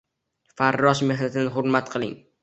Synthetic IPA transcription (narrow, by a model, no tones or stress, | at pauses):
faɾːɒʃme̞ɦnat̪ʰɪnɪɦʊɾmat̪̚qʰɨlˠɪ̰ŋ